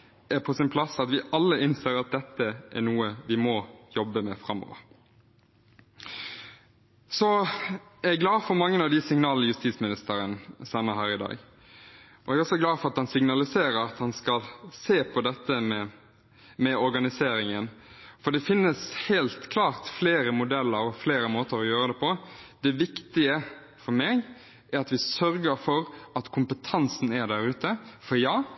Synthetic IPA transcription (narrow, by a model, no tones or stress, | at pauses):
æpʰɔsɪnpʰlɑsɑt̪ʋɪʔɑlːəɪnseːɾɑt̪̚d̪ɛt̪ːəʔæ̰ɾnuːəʋɪmɔjɔbːəmɛfɾɑmːɔ̰ːʋə̰ɾ | sɔ | ɛɡlɑːfɔɾmɑŋːənɑʋd̪ɪsɪŋnɑːlnəjʉst̪iːt̪smɪnɪst̪əɾənsɑnːəɦæːɾɪd̪ɑ̰ːɡ | ɔɛɡɔsɔɡlɑːfɔɾɑt̪hɑnsɪŋnɑlɪseːɾəɾɑt̪hɑnskɑlseːpʰɔd̪ɛt̪ːəmɛ | mɛɔɾɡɑnɪseːɾɪŋənfɔɖ̪ɛfɪnːəshæɪlt̪kʰlɑːɾt̪fleːɾəmʊd̪ɛlːəɾɔfleːɾəmoːt̪əɾɔjøːɾəd̪ɛpʰɔd̪ɛʋɪkt̪ɪə | fɔɾmeːɡ | ʔæɾɑt̪ʋɪsœɾɡəɾfɔɾɑt̪kʰʊmpət̪ʰɑnsn̩æɖ̪æɾʉːt̪əfɔɾjɑː